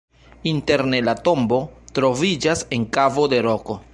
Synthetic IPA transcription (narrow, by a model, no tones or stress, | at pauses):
inteɾne̞lato̞mbo̞tɾo̞vid͡ʒaseŋkavo̞de̞ɾo̞ko̞